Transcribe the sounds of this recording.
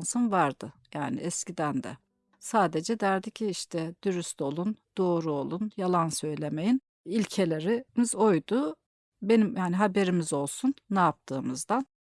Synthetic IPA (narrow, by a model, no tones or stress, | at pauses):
nsunvaɾd̪ɯjaːnɪ̰ʔɛscid̪ænd̪ɛ̰ | saːd̪e̞d͡ʒɛd̪æɾd̪icʰiiʃt̪ʰɛd̪̥yɾyst̪o̞lˠund̪̥o̞ːɾuo̞lˠunjalˠansø̞jlʲe̞mejin | ilʲcʰe̞lʲe̞ɾimizo̞jd̪u | be̞nimjaniɦabe̞ɾimizo̞lˠsunːɛap̚t̪ʰɯːmɯzd̪an